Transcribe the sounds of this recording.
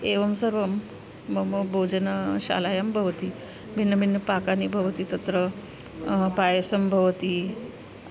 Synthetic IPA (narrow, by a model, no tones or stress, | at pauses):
eʋɐmsəɾʋɐmː | ɐmɐbʱowd͡ʑɐnɐɕa̰lajambʱɐʋt̪i | bʱinːɐbʱinːɐpakanibʱɐʋt̪it̪ɐt̪ɾə | pajəsəmbʱɐʋt̪i